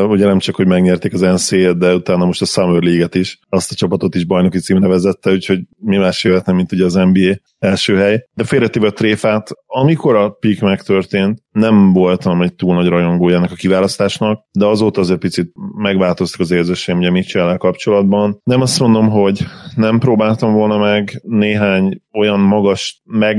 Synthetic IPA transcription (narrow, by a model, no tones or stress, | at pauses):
uɟɛnɛmt͡ʃɒkho̞ɟmɛɡɲɛrt̪eːkɒzɛnseːt̪̚d̪ɛut̪aːnːɒmo̞ʃt̪ɒsɒmørleːɡɛt̪iʃɒst̪ɒt͡ʃɒpɒt̪o̞t̪iʒbɒjno̞kit̪siːmnɛvɛzɛt̪ːɛucho̞ɟmimaːʃeːlɛt̪nɛmːint̪uɟɛɒzɛmbiːeː | ɛlʃøːɦɛjd̪̥ɛfeːɾɛt̪ːeːbɛɒt̪reːfaːt̪ɒmiko̞ɾɒpikmɛkt̪ø̞rt̪eːnt̪nɛmvo̞lt̪ɒmɛc̚t̪uːlnɒɟrɒjo̞ŋɡoːjɛnːɛkɒkivaːlɒst̪aːʃnɒk̚d̪ɛɒzoːt̪ɒːzɛc̚pit̪sit̪̚mɛɡʋaːlt̪o̞st̪u̥kɒzeːrzeːʃeɡɛmuɟɛmit͡ʃɛlːɛlkɒpt͡ʃo̞lɒd̪bɒnnɛmɒst̪mo̞nd̪o̞mɦo̞ɟnɛmproːbaːlt̪ɒɱvo̞lnɒmɛɡneːɦaːɲo̞jɒnmɒɡɒʃmɛɡ